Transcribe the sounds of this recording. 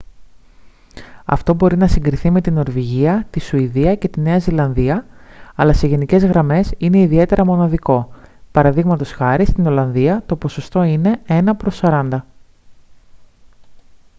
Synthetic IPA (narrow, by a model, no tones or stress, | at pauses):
ɐ̰ft̪o̞bo̞ɾinɐsiŋɡɾiθime̞t̪ino̞ɾviʝiɐt̪isuiðiɐce̞t̪ine̞ɐzilɐnðiɐɐlɐse̞ʝe̞nice̞zɣɾɐme̞sine̞iðie̞t̪e̞ɾʔɐmo̞nɐðiko̞pɐɾɐðiɣmɐt̪o̞sxɐɾist̪ino̞lɐnðiɐt̪o̞po̞so̞st̪o̞ine̞e̞nɐpɾo̞sɐɾɐnd̪ɐ